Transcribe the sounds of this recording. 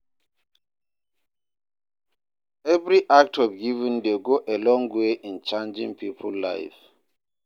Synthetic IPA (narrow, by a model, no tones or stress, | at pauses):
ɛvɹiʔak̚tʰɔvɡivə̃ndeɡoʔelɔ̃ŋweʔĩnt͡ʃãnd͡ʒḭ̃ŋpipʰəlːa̰ɪf